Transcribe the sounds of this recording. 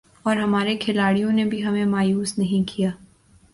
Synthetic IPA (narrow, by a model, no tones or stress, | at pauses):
ɔːɾɦɐmaːɾekʰɪlaːɽijõnebʱiɦɐmẽmaːjuːsnɐɦĩkʰijaː